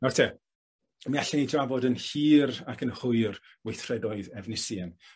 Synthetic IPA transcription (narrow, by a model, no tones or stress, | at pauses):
nɔtʰɛ | miaɬɛnidravɔdənhiːrakʰənhʊɨr | wejθrɛdɔɨðɛvnɪsjɛn